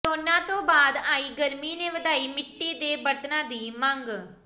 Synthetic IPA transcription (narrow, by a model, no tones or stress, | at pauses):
oːnãːt̪õːbaːd̪aːiːɡəɾmiːnẽːʋəd̪aːiːmɪʈːiːd̪eːbəɾt̪nãːd̪iːmə̃ŋɡ